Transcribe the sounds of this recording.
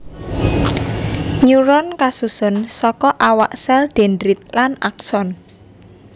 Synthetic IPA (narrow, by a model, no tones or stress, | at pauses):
ɲuɾɔnkasusʊnsɔkɔʔawaʔsɛld̪̥endɾit̪̚lana̰k̚sɔn